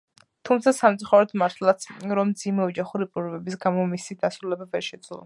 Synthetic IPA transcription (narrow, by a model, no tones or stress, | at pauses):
t̪ʰumt̪sʰasamt̪sʼuχaɾɔt̪ʰmaɾt̪ʰlˠat̪sʰɾɔmd̪zimɛɔd͡ʒaχuɾipʼuɾvɛbisɡamɔmisid̪asɾulɛbavɛɾʃɛd̪z̥lˠɔ̰